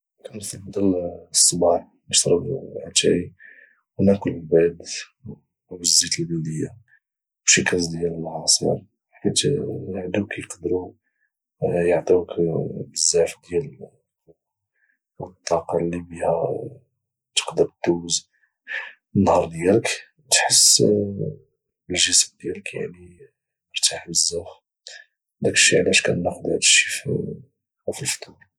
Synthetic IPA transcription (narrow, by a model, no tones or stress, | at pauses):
kænflbd̪ælsˤːɑbɑħ | bəʃɾˤəb̪̰ʕæt̪æ̰i | wənækʊlbæd̪ | bəzːit̪əlbəld̪əjːa | bʃikæzd̪jæləmʕɑsˤə̰ɾ | ħkit̪jʕd̪ukjəqd̪ɾu | jəʕt̪ˤukbəzːaʕfd̪jæl | t̪ˤːɑqɑlːibihæ | t̪ə̥qd̪əɾd̪uz | ənːhɑɾˤd̪jælək | t̪ħəsː | bəlʒəsmd̪jæləkja̰ʕni | əɾt̪aħbəzːæx | d̪ækʃiʕlæʃkænːaxd̪əʕd̪ə̥ʃi̥f | fəlft̪ʰˤuɾ